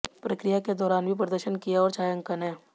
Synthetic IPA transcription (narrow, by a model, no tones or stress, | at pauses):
pɾɐkɾijaked̪ɔːɾaːnbʱipɾɐd̪əɾʃənkijaɔːɾt͡ʃaːjə̃ŋkɐnẽː